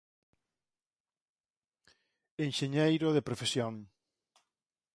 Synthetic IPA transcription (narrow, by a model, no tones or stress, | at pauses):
enʃeɲejɾʊðepɾofesjoŋ